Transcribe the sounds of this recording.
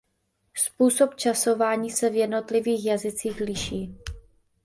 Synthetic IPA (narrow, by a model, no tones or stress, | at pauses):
spuːso̞pt͡ʃasovaːɲiːsɛvjɛdno̞t̪lɪviːxjazɪt͡siːxlɪʃiː